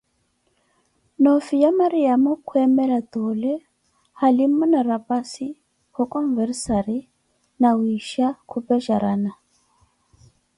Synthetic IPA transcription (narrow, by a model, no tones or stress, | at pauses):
nɔfijamaɾiamɔkʰuɛmɛlat̪ɔlɛ | halimɔnaɾapasi | hɔkʼɔɱvɛɾsaɾi | nawiʃakʰupɛʃaɾana